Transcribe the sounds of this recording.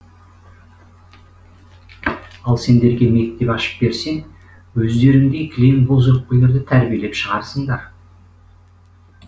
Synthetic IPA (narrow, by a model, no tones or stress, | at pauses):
ɑlˠse̞nd̪e̞ɾɡʲe̞me̞k̚t̪e̞pɑʃə̥p̚be̞ɾse̞ŋ | wɵzd̪e̞ɾɪŋd̪ekʲʰlenbolˠʒoɾq̚pəjlˠeɾd̪ɪt̪ʰæɾbijele̞pʃəʁɑɾsəɴd̪ɑɾ